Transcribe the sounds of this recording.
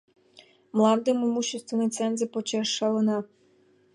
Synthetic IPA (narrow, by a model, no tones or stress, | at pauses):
mlˠɑnd̪ɤmomuɕːest̪vʲenot͡sɛnzĕpot͡ɕɑʂːɑlɤ̆nɑ